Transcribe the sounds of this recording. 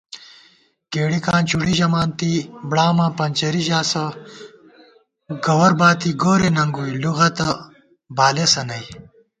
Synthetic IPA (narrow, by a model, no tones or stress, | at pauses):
ɡ̥eːɽikaːnt͡ɕuɽiʑɐmaːnt̪ibɽaːmɐpɐnt͡ɕɐɾiʑaːsɐ | ɡɐwɐɾbaːt̪ʰiɡoːɾenɐŋɡuiluɣɐt̪ɐ | baːlesɐnɐj